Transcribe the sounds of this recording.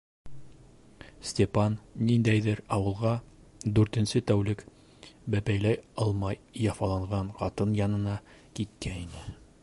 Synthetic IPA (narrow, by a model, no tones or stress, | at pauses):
sʲtʲepanːind̪æjðɘɾɒwɤ̆lˠʁɑ | d̪ʉɾt̪ɘ̆nsɘt̪æwlɘk | bæpæjlæjɒlˠmɑjːɑfɑlˠɑɴʁɑɴqɒt̪ɤnjɑnɤ̆nɑkit̪̚kæinɘ